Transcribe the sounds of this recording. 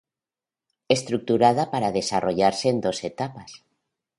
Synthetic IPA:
est̪ɾuk̚t̪uɾað̞apaɾaðe̞saroʎaɾseːnd̪o̞set̪apas

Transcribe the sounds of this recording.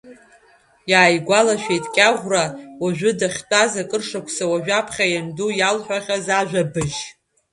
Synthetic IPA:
jaːjɡʷalaʃᶣejtʼkʲʼaʁʷrawaʒᶣʊdaχʲt͡pʷʼazakʼɨrʂakʷʰsawaʒᶣapʰχʲajandujalħʷᶣaχʲazaʒᶣabɨʒ

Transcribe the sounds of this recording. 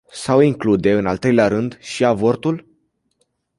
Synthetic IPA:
sawiŋklud̪e̞ɨnalt̪ɾe̞jleaɾɨnd̪ʃiavo̞rt̪ul

